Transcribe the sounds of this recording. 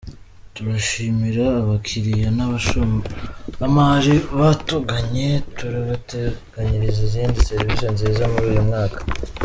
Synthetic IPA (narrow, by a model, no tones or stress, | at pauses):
tuɾaʃiːmiɾaːβakʰiɾijanaβaʃo | amaɾiβatoɡaɲe̞tuɾaβateɡ̥aɲiɾiziziːndise̞ɾivisjonzizamuɾuːjumŋaːkḁ